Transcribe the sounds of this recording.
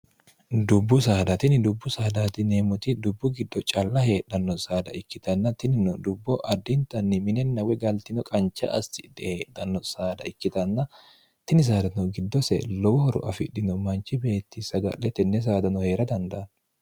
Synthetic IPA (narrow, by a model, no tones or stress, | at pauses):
d̪ʊbːʊs̬aːd̪ɐt̪ɪnɪd̪ʊbːʊsaːd̪at̪ɪneːmʊt̪ɪd̪ʊbːʊɡɪd̪ːɔt͡ʃʼɐlːɐɦe̞ːᶑɐnːɔsaːd̪ɐ̰ɪkːɪt̪ɐnːɐt̪ɪnɪnɔd̪ʊbːɔʔɐd̪ːɪnt̪ɐnːɪmɪnɛnːɐwɛɡɐlt̪ɪnɔkʼɐnt͡ʃːɐ̰ʔɐst̪ɪd̪ɛheːᶑɐnːɔsaːd̪ɐɪkːɪt̪ɐnːɐ | t̪ɪnɪs̬aːd̪ɐnɔɡɪd̪ːɔsɛ̰lɔwɔhɔɾɔ̰ʔɐfɪᶑɪnɔmɐnt͡ʃːɪbe̞ːt̪ːɪsɐɡɐ̰ʔɛt̪ɛnːɛs̬aːd̪ɐnɔhe̞ːɾɐd̪ɐnd̪ɐʔɐn